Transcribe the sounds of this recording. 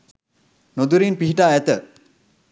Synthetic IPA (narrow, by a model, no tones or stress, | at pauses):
nod̪uɾinpiɦiʈaːɛt̪ə